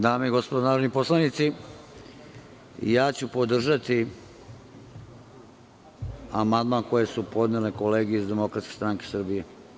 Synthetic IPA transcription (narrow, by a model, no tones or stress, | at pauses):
d̪aːmejiɡo̞spod̪onaːɾod̪nipo̞slˠanit̪si | jaːt͡ɕupod̪r̩ʒat̪i | amand̪maːnko̞jesupo̞d̪neleko̞leːɡijeizd̪e̞mo̞kɾat̪skʲest̪ɾaŋke̞sr̩bije